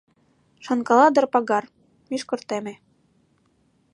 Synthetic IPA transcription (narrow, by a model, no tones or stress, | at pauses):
ʃɑ̆nkɑlɑd̪ɤ̆rpɑɡɑr | miʃkɤ̆rt̪emĕ